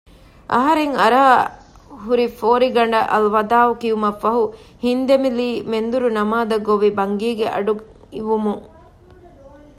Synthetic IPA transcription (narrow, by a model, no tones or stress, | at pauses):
ʔɐ̰ɦɐɾeŋɐɾaː | ɦuɾifoːɾiɡɐɳɖɐʔɐlʋɐd̪aːʋukiumɐfːɐɦu | hind̪emiliːmend̪uɾunɐmaːd̪ɐɡoʋibɐŋɡiːɡeʔɐ̰ɖu | iʋumuŋ